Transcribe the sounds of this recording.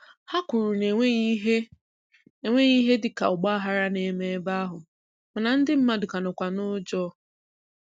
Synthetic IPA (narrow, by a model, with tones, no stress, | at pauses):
ha˦kʷu˨ɾu˨ne˨e˦ɦe˦ | e˨ŋʷe˦ɣi˦ɦe˦dɪ˨ka̰˨ʊ˨ɡ͡ba˦a˦ɦa˦ɾa˦ne˨˦me˦e˦ba˦a˦ɦʊ˨ | ma˨na˨n̩˦dɪ˦m̩˦ma˦dʊ˨ka˨nʊ˨kʷa˨nʊ˦d͡ʒɔ˦